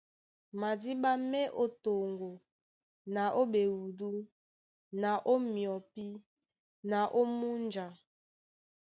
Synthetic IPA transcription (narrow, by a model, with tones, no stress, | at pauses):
ma˨di˦ba˦mɛ˦ʔo˦to˨ŋɡo˨ | na˨ʔo˦be˨wu˨du˦ | na˨ʔo˦mjɔ˨pi˦ | na˨ʔo˦mu˦nd͡ʒa˨